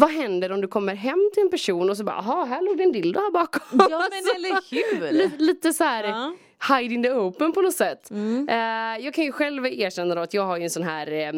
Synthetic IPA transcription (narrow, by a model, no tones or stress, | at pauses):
vaɦɛnd̪əɾɔmd̪ɵkʰɔmːəɾɦɛmːt̪ʰɪlɛnpæʂuːnɔs̬ɔbɑ̰ːʔɦɑɦæːɭuːɡd̪ɛɛnd̪ɪlːd̪ʊhæːɾbɑːkɔasɔ | liːliːt̪əsɔhæːɾ | hajd̪ɪŋd̪ɛoːpːənpɔnɔsɛt̪ː | jɑːɡkʰanjɵɧɛlveːʂɛnːad̪ɔat̪jɑːɡhaɾjɵɛnsɔnɦæːɾ